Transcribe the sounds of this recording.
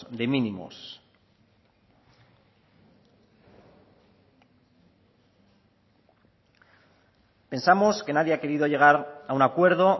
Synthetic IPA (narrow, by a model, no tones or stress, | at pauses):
d̪e̞minimo̰s | pe̞nsamo̞ske̞naðjeake̞ɾiðo̞ʝe̞ɣ̞aɾaunakwe̞ɾð̞o̞